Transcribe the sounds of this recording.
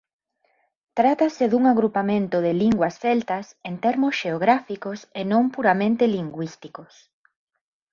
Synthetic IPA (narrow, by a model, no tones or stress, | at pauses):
t̪ɾat̪asɪðuŋaɣɾupamẽnt̪ʊðɪliŋɡwɐsfɛlt̪ɐsent̪ɛɾmosʃeoɣɾafikosenõmpuɾamẽnt̪eliŋɡwist̪ikos